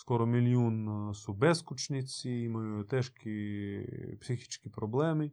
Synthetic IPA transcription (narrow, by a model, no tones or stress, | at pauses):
skɔɾɔmʲilʲjunsʊbɛskʊt͡ʃnʲɪt͡sʲiimɔjɔjʊt̪ɛʃkʲi | psʲɪxʲit͡ʃkʲipɾɔblˠɛmɪ